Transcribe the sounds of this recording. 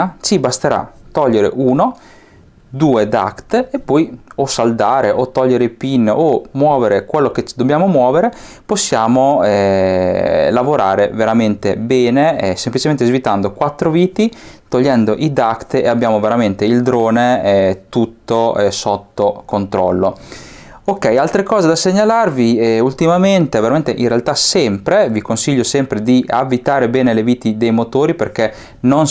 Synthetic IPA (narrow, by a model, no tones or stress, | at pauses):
t͡ʃibast̪eɾa̰t̪ɔʎːeɾḛʔuːno | d̪uːed̪a̰kt̪epːɔjosald̪aːɾeʔot̪ɔʎːeɾeipinːomwɔːveɾekwelːoket͡ʃd̪objaːmomwɔːveɾe | posːjaːmoɛ | lavoɾaːɾeveɾament̪ebɛːneɛsemplit͡ʃement̪ezvit̪and̪okwat̪ːɾoviːt̪it̪oʎːɛnd̪oʔid̪akt̪eabjaːmoveɾament̪eild̪ɾoːneɛt̪ut̪ːosot̪ːokont̪ɾɔlːo | okːɛjalt̪ɾekɔːzed̪aseɲːalarviɛult̪imament̪eveɾament̪eʔirealt̪asɛmpɾevikonsiʎːosɛmpɾed̪ia̰vːit̪aːɾebɛːneleviːt̪id̪ejmot̪oːɾiperk̟e | non